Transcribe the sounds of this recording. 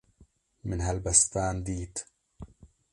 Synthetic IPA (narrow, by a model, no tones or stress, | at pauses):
mɪnɦalbast̪aːnd̪iːt̪